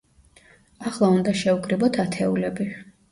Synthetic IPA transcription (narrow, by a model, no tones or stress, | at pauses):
aχlˠaund̪aʃɛukʰʼɾibɔt̪ʰat̪ʰɛulɛbi